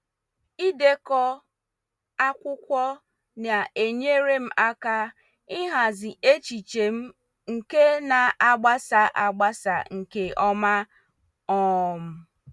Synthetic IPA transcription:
i˦de˦kɔ˦ | a˦kʷʊ˦kʷɔ˦ | na˨e˨ɲe˦ɾe˦m̩˦ʔa˦ka˦ | ɪ˦ɦa˨zɪ˨ʔe˦t͡ʃi˨t͡ʃe˨m̩˦ | ŋ̩˨ke˦na˨a˦ɡ͡ba˦sa˨ʔa˨ɡ͡ba˦sa̰˨ŋ̩˨ke˨ɔ˦ma˦ | ɔ˦˨m̩˦

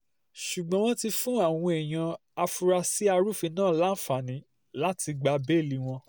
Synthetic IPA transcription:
ʃu˨ɡ͡bɔ̃˨˦w̃ɔ̃˦ti˧fũ˦a˦˨w̃ɔ̃˧e˨j̃ã˧ | a˧fu˧ɾa˧si˦a˧ɾu˦˨fĩ˧nãː˦˨la˦n̩˦˨fa˨nĩ˨˦ | la˦ti˧ɡ͡ba˧be˦˨li˦w̃ɔ̃˧

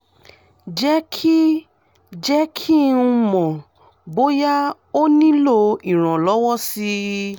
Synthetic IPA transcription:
d͡ʒɛ˦kʰi˦ | d͡ʒɛ˦kʰi˦nũ˧mɔ̃˨ | bo˦ja˦ | o˦nĩ˦lo˦i˨ɾ̃ã˨lɔ˨˦wɔ˦si˧˦

